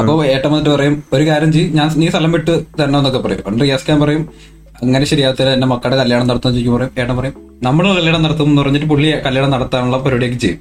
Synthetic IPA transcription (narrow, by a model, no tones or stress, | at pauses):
ɐpːoeːʈːɐmɐniʈːɨpɐrɐjumo̞ɾukaːɾjɐmt͡ɕejɲaːnniːst̪ɐlɐmiʈːɨt̪ɐnːeɐnːokːepːɐrɐjumɐɳɖɨjeskjaːnpɐrɐjum | ɐŋːɐneɕɐɾijaːɐt̪ːilenːemɐkːɐɽekɐljaːɽɐmnɐɽt̪unːt͡ɕejikːumpɐrɐjume̞ːʈːɐmpɐrɐjum | nɐmːɐɭkɐljaːɳɐmnɐɽɐt̪ːuɐmenːupɐrɐɲːiʈːɨpuɭːiɐkɐljaːɳɐmnɐɽɐt̪ːaːɳuɭːɐpoɾoːɽijokːɨt͡ɕejum